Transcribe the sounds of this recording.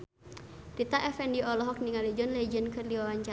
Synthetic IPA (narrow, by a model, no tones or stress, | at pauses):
ɾit̪aʔɛfɛndiɔlɔɦɔk̚niŋalid͡ʒɔnlɛd͡ʒənkərliwawaɲt͡ʃa